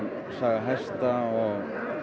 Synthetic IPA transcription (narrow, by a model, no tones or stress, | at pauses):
n | saːɣaɦajst̪aɔɣ